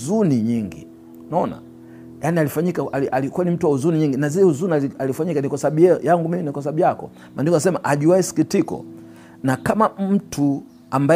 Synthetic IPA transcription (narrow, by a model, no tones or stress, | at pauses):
zuniɲiŋɡḭ | naɔna̰ | janialifaɲikaʔaliʔalikuanim̩tuwauzuniɲiŋɡinazilɛuzuniaalifaɲikanikasaɓujɛjaŋɡumiminikas̬aɓujakɔ̰ | mʔandikanasɛmaʔaʄuwaisi̥kitikɔ̰ | nakamam̩tʰu | amba